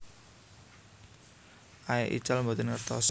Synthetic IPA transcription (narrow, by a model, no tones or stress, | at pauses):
ʔaeʔḭt͡ʃalmot̪ɪnŋərt̪ɔs